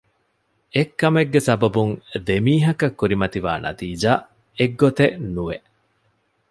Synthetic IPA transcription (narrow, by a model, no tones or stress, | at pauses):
ekːɐmeɡːesɐbɐbuŋd̪emiːɦɐkɐkːuɾimɐt̪iʋa̰ːnʔɐ̰t̪iːd͡ʒaː | eɡːot̪enuʋe